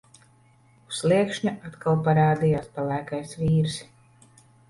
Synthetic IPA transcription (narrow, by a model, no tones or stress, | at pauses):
uslˠiɛkʃɲuʔat̪kalˠpaɾaːd̪ijaːspalˠæːkajsviːɾs